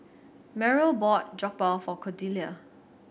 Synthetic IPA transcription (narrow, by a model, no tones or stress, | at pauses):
mɛɹəlbɔt̚d͡ʒɔk̚baʊfɔkʰɔdiliə